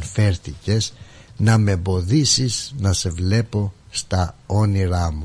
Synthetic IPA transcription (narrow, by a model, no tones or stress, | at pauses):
nfe̞ɾθice̞znɐme̞bo̞ðisiznɐse̞vle̞po̞st̪ɐoniɾɐmu